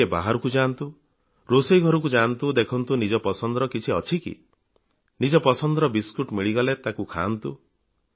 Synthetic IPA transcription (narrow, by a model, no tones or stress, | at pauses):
eba̰ɦaɾɔkud͡ʒant̪u | ɾosejɡʱɔɾɔk̬ud͡ʒant̪ud̪ekʰɔnt̪unid͡ʒɔpɔsɔnd̪ɾɔkit͡ʃʰiɔt͡ʃʰikḭ | nid͡ʒɔpɔsɔnd̪ɔɾɔbiskuʈmiɭiɡalet̪akukʰa̰nt̪u